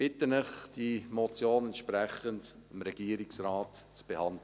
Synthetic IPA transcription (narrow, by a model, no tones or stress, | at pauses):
b̥ɪtənɪχd̥imot͡sjoːnɛntʃpɾɛχənt | ɪmɾɛɡ̥iəɾɪksraːtt͡sb̥ehɑndlə